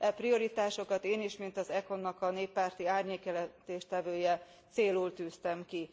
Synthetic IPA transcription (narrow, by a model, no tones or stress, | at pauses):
ɛprio̞ɾit̪aːʃo̞kɒt̪eːniʃmint̪ɒzɛko̞nːɒkɒneːpːaːrt̪iaːrɲeːkjɛlɛnt̪eːʃt̪ɛvøːjɛ | t̪seːluːlt̪yːst̪ɛmki